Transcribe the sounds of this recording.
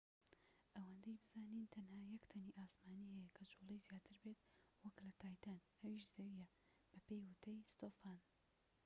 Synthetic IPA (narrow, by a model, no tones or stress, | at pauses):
ʔɐwand̪ejbɨzaːniːnt̪ʰɐnhaːjɐkt̪ʰɐniʔaːsmaːnihɛjɐkʰɐt͡ʃʰolˠejzjaːt̪ʰɨɾbe̞t̪wɐklɐt̪ʰaːjt̪ʰan | ɐwiʃzɐwijɛ | b̥ɐpejwʊt̪ʰɐjst̪oːfaːn